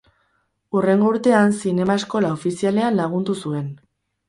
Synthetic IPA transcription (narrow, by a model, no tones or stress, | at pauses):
ure̞ŋɡo̞uɾt̪e̞ansine̞mae̞sko̞laofisiale̞anlaɣ̞und̪usue̞n